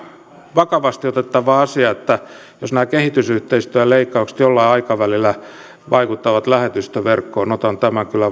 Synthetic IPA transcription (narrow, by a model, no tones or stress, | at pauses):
ʋɑkɑʋɑst̪iot̪et̪ːɑʋɑːɑsiɑet̪ːæ | josnæːkehit̪ysyht̪eist̪øːjɑleikːɑukse̥t̪jolːɑiɑikɑʋælilːˑæ | ʋɑikut̪ːɑʋɑt̪læhet̪yst̪øʋerkːoːnot̪ɑnt̪æmæŋkylːˑæ